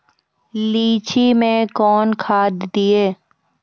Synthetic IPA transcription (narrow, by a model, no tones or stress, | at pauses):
liːt͡ʃʰimẽkɔːnkʰaːd̪ːɪeː